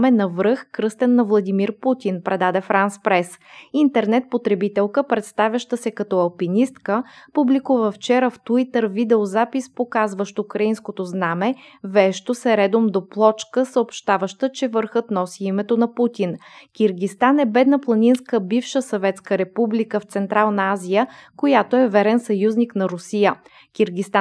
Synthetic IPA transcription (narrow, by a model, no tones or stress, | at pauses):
mɛnɐvɾɤxkɾɤst̪ɛnːɐvlˠɐd̪ʲimiɾput̪ʲinpɾɛd̪ad̪ɛfɾanspɾɛs | int̪ɛɾnɛt̪̚pot̪ɾɛbit̪ɛlˠkəpɾɛt̪st̪avʲjɐʃt̪əsɛkɐt̪ɔɐlˠpinist̪kəpublikuvəft͡ʃɛɾəft̪it̪əɾvid̪ɛozapispokazvəʃt̪oukɾɐinskot̪oznamɛvɛʃt̪osɛɾɛd̪omd̪oplˠɔt͡ʃkəsəopʃt̪avəʃt̪ət͡ʃɛvəɾxɤt̪nɔsiimɛt̪onɐput̪ʲinkʲiɾɡʲist̪anɛbɛd̪nəplˠɐnʲinskəbifʃəsɐvɛt̪skəɾɛpublikəft̪sɛnt̪ɾalˠnɐazijəkojat̪oɛvɛɾɛnsɐjuzniknɐɾʊsijə | kʲiɾɡʲist̪a